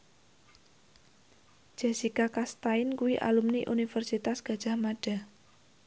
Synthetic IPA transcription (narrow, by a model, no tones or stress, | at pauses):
ʒ̥esikakast̪aɪnkuwiʔa̰lumniʔunifərsit̪asɡ̥ä̤d̥ʒ̥a̤hmaɖ̥a̤